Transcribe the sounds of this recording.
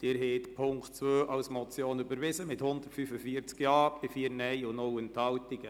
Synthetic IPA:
d̥ɪːɾɦɛːtpʰʊŋktt͡sʋøːʔɑlsmɔt͡sjoːnybəɾʋɪzəmɪthʊnd̪ərtfyfəfiəɾt͡skjɑːb̥ɪfiːəɾnɛɪʊnʊlənt̪hɑltɪɡ̥ə

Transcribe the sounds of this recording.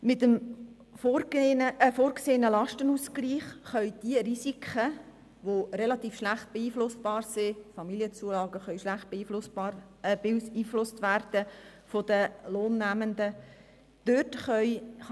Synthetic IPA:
mɪtəm | foəəfoːɾɡseːənəlɑʃtənuskliːχχœʏd̥iəɾisikʰχə | ʋorɛlɑt̪iːfʃlæχt̪̚b̥eiːflʊsb̥ɑːrsɪfɑmiliət͡suəlɑːɡəχœʏʃlæχt̚b̥eiːflʊsɑ | bsiːflʊstʋærd̥əfodəloːnːæməndə | d̥øtχœʏ

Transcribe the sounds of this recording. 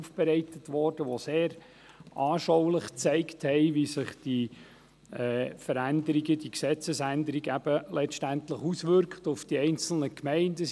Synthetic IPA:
ufb̥ɛɾɛɪtətʋɔrd̥əʋoseːɾ | ʔɑːʃɔwləχt͡sɛɪkthɛɪʋisɪχd̥i | ɛːfəɾænd̪əɾiɡəd̥iksɛt͡səsændəɾiɡæbəlɛʃtæntləχusʋʏɾkχtʊfd̥iɛɪnt͡sl̩nəkmɛɪndə

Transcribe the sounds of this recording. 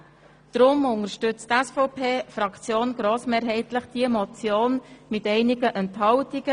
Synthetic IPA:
d̪̥ɾʊmʊŋəʃtʏt͡st̪ɛsfɔʊpʰeːfrɑkt͡sjoːnɡ̥ɾoːsmeːɾɦɛɪtlɪχd̥iəmɔt͡sjoːnmɪtɛɪnɪɡəʔɛnthɑwtɪɡ̥ə

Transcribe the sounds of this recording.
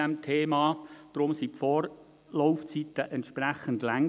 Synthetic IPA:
ɛmtʰeːmɑːd̥ɾʊmsipfɔːɾ | lɔʊft͡sit̪əʔɛnt̪ʃpræχəndlæŋ

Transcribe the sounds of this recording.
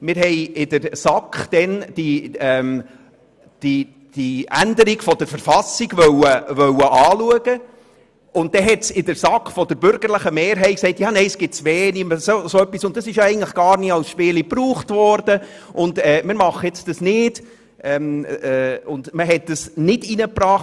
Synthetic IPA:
mɪːɾɦɛɪɪdəɾsɑkχd̥ɛnd̥iɛːm | d̥i | d̥iændəɾiɡ̥fɔd̥əɾfəɾfɑsiɡ̥vœwəʋœwəʔɑːluəɡ̥ə | ʊnt̚d̥ɛɦɛtsɪdəɾsɑkχfɔd̥əɾbʏɾɡ̥əɾləχəmeːɾɦɛɪt̚ksɛɪtjɑːnɛɪəsɡ̥ɪtt͡sʋeːniməsosoœpːisʊntd̥ɑsɪʃjɛɪɡən̩tləχɡ̥ɑːɾniːɑlsʃpɪːlipruːχtvɔɾdə | ʔʊndɛːmɪɾmɑχəjɛt͡sd̥ɑsnɪːd̥ | ʔɛːmɛʊndməɦɛt̚d̥əsnɪdinəpɾɑːχ

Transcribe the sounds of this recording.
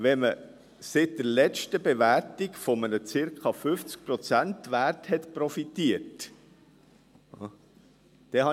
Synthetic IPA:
ʋɛmə | sɪt̚d̥əɾlɛt͡ʃtəbeʋærtikfɔmənət͡sɪɾkʰɑfʏft͡sk̚pɾɔt͡sæntʋærthɛt̪pɾɔfitiət | d̥ɛhɑ

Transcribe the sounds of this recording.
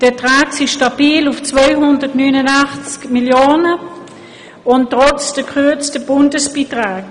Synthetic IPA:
d̥ətʁaːksiʃtɑb̥iːlʊft͡svaɪɦʊndətnyːnənaχt͡skmiljoːnə | ʊnttːʁɔt͡sd̥əkʰʁøɐt͡stəb̥ʊndəsb̥iːtʁaːk

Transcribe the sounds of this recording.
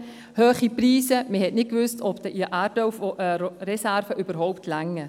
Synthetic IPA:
høːχipriːsəməhɛtnɪt̚kvʏstɔpd̥ɛʔiʔaːɾtɔwfɾɛsæɾfəʔybəɾɦɔʊptʰlaŋːə

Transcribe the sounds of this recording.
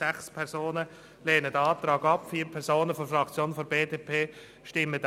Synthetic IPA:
æχspʰɛɾzoːnə | leːnədəɑːt̪ɾɑːɡɑpfiːɾpʰɛɾsoːnəfɔfrɾɑkt͡sjoːnfɔɾbeːdeːpʰeː | ʃtɪmːəd

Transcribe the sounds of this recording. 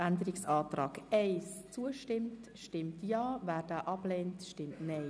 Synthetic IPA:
ændəɾɪksɑːtrɑːɡɛɪst͡suəʃtɪmt | ʃtɪmtjɑːvæːɾd̥aːʔɑb̥leːntʃtɪmtnɛ

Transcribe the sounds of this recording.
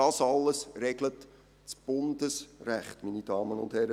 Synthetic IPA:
ɑːsɑlːəsrɛɡlət | t͡sb̥ʊndəsræχtminid̥ɑːmənʊ̰ndhɛɾə

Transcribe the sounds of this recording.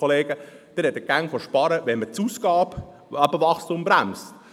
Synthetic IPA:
oleːɡ̥əd̥ɪɾhɛt̪əɡæŋfoʃpɑɾəʋɛnmət͡suːsɡɑːp | ɑbəvɑχstʊmbɾæmst

